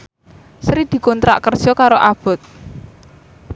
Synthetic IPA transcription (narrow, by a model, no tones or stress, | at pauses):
sɾid̪̥i̤kɔnt̪ɾa̰ʔkərʒ̥ɔkaɾoʔab̥ɔ̤t̪̚